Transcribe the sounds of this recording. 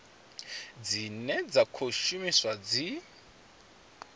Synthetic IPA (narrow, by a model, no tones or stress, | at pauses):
d͡zinɛd͡zakʰoʃumiswad͡zi